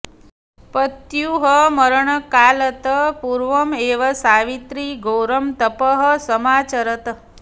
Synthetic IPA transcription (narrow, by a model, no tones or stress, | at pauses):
pət̪juɦəməɾɳəkaːlɐt̪əpuɾʋɐmeːʋɐsaːʋit̪ɾiɡʱoːɾəmt̪əpəɦəsəmaːt͡ʃɐɾət̪